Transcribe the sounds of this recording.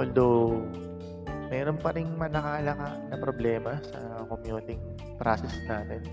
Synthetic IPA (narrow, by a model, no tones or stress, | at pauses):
ʔʔɔld̪ow | mɛːɾonpɐɾɪŋmɐnɐkaːlɐkaʔnɐpɾoblɛːmɐsɐ̰ | komjuːt̪ɪŋ | pɾaːsɪsnaːt̪ɛn